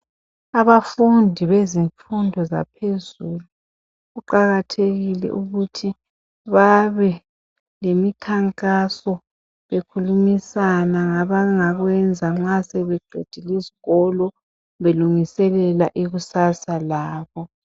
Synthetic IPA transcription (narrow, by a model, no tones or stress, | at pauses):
aβafundʱiβeziɱfundʱɔza̰pʰezulu | ɣuǃaɣatʰeɣilɛ̰ʔuɣutʰi | βaβɛ | lemikʰaŋkʼasɔ | βekʰulumisanaŋaβaŋaɣwɛnd͡zʱaŋ͡ǁasɛβɛɡ͡ǃʱed̥ʱiliziɣɔlɔ | βeluŋisɛlɛlaʔiɣusasalaːβɔ